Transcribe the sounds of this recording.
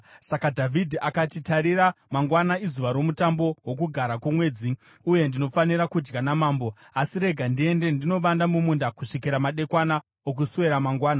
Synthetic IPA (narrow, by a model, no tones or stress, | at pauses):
sakadʱavʱidʱiʔakatitaɾiɾamaŋɡwanaizuʋaɾo̞mutambo̞wo̞k̬uɡʱaɾakumwe̞ːd͡zi | uje̞ndino̞faniɾakud͡ʒɡanamaːmbo̞ | asiɾe̞ɡʱandie̞nde̞ndino̞ʋandamumundakuʂikiɾamaɗe̞kwana | ok̬usuwe̞ɾamaŋɡwaːna